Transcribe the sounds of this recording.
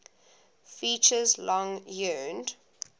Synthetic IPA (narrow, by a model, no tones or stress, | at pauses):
fiːˑt͡ʃəzlɔ̃ŋjɜnd